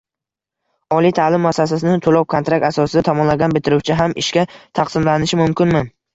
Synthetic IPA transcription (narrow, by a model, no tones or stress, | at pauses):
ɒlijt̪ʰalɪmːasas̬asɪnɪt̪ʰolɒw̚kʰont̪ɾak̚t̪asɒsɪd̪at̪ʰɒmɒnlaɡʲanbɪt̪ʰɪɾuwt͡ʃʰɪɦamʔɪʃkʲat̪ʰɑqsɪmlanɪʃɪmʊmkʲɪnmɪ